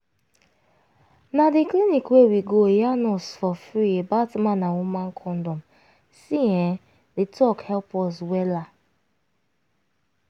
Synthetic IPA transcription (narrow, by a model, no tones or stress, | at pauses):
nadiklinikwewiɡojanɔsfɔfɾiebatmãnawumãnkʰɔ̃ndɔ̃m | siɛ̃ | detʰɔkhɛlpɔswɛla